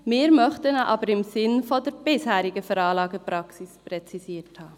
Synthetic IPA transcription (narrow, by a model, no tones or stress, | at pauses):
meːɾmœχtənʔɑ̰ːbəɾɪmzɪnfodɛːb̥ɪshɛːɾɪɡəfɛɾɑːlɑːɡəpɾɑksɪspʁɛt͡siziːthaː